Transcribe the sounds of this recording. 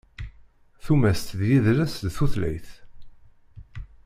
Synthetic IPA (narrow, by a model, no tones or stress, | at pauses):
θumæst̪ðjiðɾæsd̪θuθlæ̰jθ